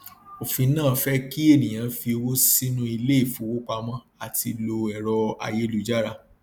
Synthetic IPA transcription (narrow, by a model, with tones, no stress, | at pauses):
o˨fĩ˧nãː˦˨fɛ˦ki˦e˦˨nĩ˨j̃ã˧fi˧wo˦si˦nũ˦i˧le˦i˦˨fũ˨˦wo˦k͡pa˧mã˦ | a˨ti˧lo˧ɛ˨ɾɔ˧a̰˧je˦lu˨˧d͡ʒa˦ɾa˧